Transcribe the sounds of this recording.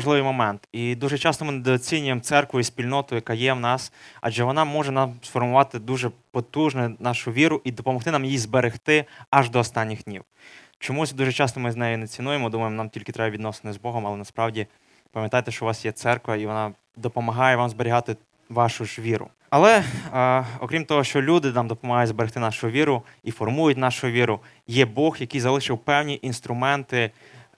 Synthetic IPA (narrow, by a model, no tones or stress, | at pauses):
ʒlˠɪʋɨjmɔmɛnt̪id̪uʒɛt͡ʃɑst̪ɔmɪnɛd̪ɔt͡sʲinʲʊjemt̪sɛrkʋʊisʲpʲilʲnɔt̪ʊjɐkɑjɛwnɑsɐ̰ʒɛʋɔnɑmɔʒɛnɑmsfɔrmʊʋɑt̪ɪd̪uʒɛpɔt̪uʒnɛnɑʃʊʋʲiɾʊʔid̪ɔpɔmɔxt̪ɪnɑmjizbeɾext̪ɪɐʒd̪ɔːst̪ɑnʲːixd̪ʲnʲiw | t͡ʃɔmusʲd̪uʒɛt͡ʃɑst̪ɔmɪznɛjʊnɛt͡sʲinujemɔd̪umɐjemɔnɑmtʲilʲkɪt̪ɾɛbɐʋʲid̪nɔse̥nɪzbɔɦɔmɐlˠɛnɐspɾɑwdʲi | pɐmjɐt̪ɑjt̪ɛʃt͡ʃɔʋɑsjɛt̪sɛrkʋɐiʋɔnɑ | d̪ɔpɔmɐɦɑjɛʋɑmzbeɾʲiɦɑt̪ɪ | ʋɑʃʊʒʋʲiɾʊ̰ | ɐlˠɛ | ɔkɾʲimt̪ɔɦɔʃt͡ʃɔlʲud̪ɪnɑmd̪ɔpɔmɐɦɑjʊdʲzbeɾext̪ɪnɑʃʊʋʲiɾʊ | ifɔrmujʊtʲnɑʃʊʋʲiɾʊ | jɛbɔxjɐkijzɐlˠɪʃɪwpɛwnʲiʔinst̪ɾʊmɛnt̪ɪ